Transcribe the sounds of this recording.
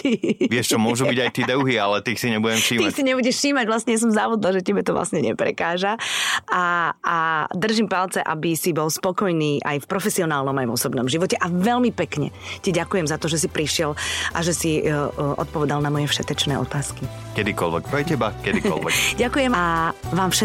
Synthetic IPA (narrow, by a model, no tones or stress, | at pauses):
ʋɪɛʃt͡ʃɔmʊɔʒubiɟajt̪iːd̪əʊɦiːalɛt̪iːxsiɲɛbuɟɛmʃiːmiːxsiɲɛbuɟɛʃʃiːmaɟʋlasɲɛjas̬ɔmzaʋud̪laʒɛt̪ɛbɛt̪ɔʋla̰sɲɛɲɛ̰pɾɛ̰kaːʒaʔaad̪r̩ʒimpalt͡sɛʔa̰bisibɔlspɔkɔjniːʔa̰jfpɾɔfɛsiɔnaːlnɔmajvɔsɔbnɔmʒiʋɔcɛʔaʋɛlmipɛkɲɛ̰cɛɟakujɛmzat̪ɔʒɛsipɾiʃɪɛlʔa̰ʒɛsiʔɔ̰t̪pɔʋɛd̪alnamɔjɛfʃɛt̪ɛt͡ʃnɛːʔɔ̰t̪aːski | kɛd̪ikɔlʋɛ̰kpajcɛbakɛd̪iɔ̰lʋɛ̰kɟakujɛmaʋaːmfʃɛ